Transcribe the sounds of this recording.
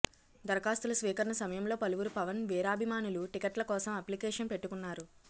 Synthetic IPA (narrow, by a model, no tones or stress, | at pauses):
d̪ɐɾɐkaːst̪ulɐsʋiːkɐɾɐɳɐsɐmɐjɐmlo̞ːpɐluʋuɾupɐʋɐnʋiːɾaːbʱimaːnuluʈikɐʈlɐkɔːsɐmɐplikɛːʂɐnpeʈːukunːaːɾu